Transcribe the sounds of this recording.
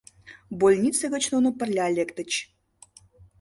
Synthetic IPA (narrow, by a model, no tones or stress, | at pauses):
bolʲnʲit̪t͡səɣə̆t͡ɕnonopə̆rlʲalʲekt̪ə̆t͡ɕ